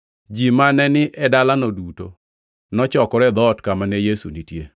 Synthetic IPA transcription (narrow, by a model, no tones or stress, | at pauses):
d͡ʒimanɛnɪʔɛdalanoduto | nɔt͡ʃɔkɔɾɛd̪ɔtkamanɛjesṵnitje